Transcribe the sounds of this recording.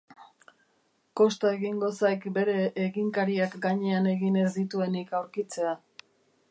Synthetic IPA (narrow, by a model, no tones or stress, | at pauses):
ko̞st̪ae̞ɣiŋɡo̞sajkbe̞ɾe̞ʔːɣiŋkaɾiakɡaɲe̞ane̞ɣine̞zd̪it̪ue̞nikawɾkit͡se̞a